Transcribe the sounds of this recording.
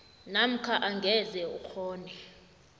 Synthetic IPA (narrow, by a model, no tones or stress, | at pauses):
nam̩kʰaʔaŋɡʱɛzɛṵkʰɔːnɛ